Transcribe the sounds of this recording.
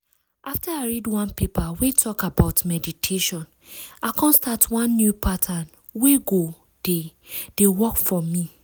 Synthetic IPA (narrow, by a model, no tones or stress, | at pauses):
ʔaftaaɪɹidwãnpepawetʰɔkabaʊtmɛditʰeʃɔ̃n | akʰɔ̃nstatwãnːjupʰatʰãn | weɡo | d̥e | d̥ewɔkfɔmi